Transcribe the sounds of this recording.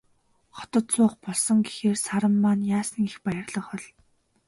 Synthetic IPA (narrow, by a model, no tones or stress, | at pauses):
χɔ̥t̪ɞ̆t̪t͡sʊːχpɔɮsɞ̆ŋɡexeːrsaɾə̆mːaːnjaːsə̆ŋexpajə̆rɮə̆χɔ̆ɮ